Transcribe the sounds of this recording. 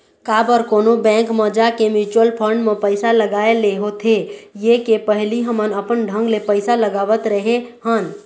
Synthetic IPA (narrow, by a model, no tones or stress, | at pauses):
kabəɾkonobɛ̃ŋkməd͡ʒakemit͡ʃwəlpʰəɾɳɖmẽpəɪsaləɡaeleɦot̪ʰejekepəɦliɦəmənəpənɖʱə̃ŋɡlepəɪsaləɡaʋət̪ɾəɦeɦən